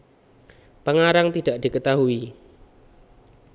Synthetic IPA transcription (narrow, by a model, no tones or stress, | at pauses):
pəŋaɾaŋt̪idaʔd̥ikət̪aɦui